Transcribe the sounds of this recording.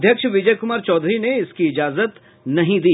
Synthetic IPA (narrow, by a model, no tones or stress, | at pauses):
d̪ʱjəkʃʋɪd͡ʒəjkʊmaːɾt͡ʃɔːd̪ʱɾineɪskiɪd͡ʒaːzət̪ | nɐɦĩd̪iː